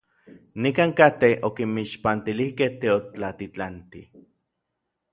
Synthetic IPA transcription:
nikaːŋkat̪eokimiʃpant̪ilihkeht̪eot͡ɬat̪it͡ɬant̪ḭ

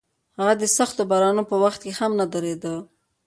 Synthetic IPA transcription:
haɣad̪əsaxt̪obɑɾɑnopəwaxt̪̚kehamnad̪əɾed̪ə

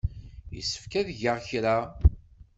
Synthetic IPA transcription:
jə̰sːə̥fkæðʝəʁçɾa

